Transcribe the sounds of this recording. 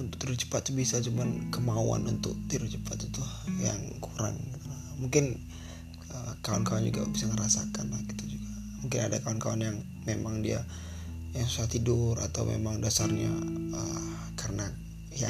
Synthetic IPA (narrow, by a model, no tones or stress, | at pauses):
unt̪ʊk̚t̪iɾʊt͡ʃə̥pat̪̚ːubisat͡ʃumankəmaṵa̰nunt̪ʊk̚t̪iɾʊt͡ʃəpat̪ːut̪ʊhja̰ŋkuɾa̰ŋ | muŋkɪn | əkawankawand͡ʒuɡa̰bisaŋəɾasakanlak̚i̥t̪ud͡ʒuɡa | muŋkɪnadakaankawanjaŋ | memaŋdia̰ | jaŋsusaat̪idʊrat̪awmḛmaŋdasarɲa̰ə | karəna | ja